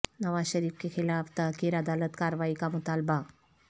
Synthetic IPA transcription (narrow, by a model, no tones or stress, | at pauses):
nɐʋaɕəɾiːfkexʰilaft̪akeɾad̪alət̪kaɾʋaikamut̪alba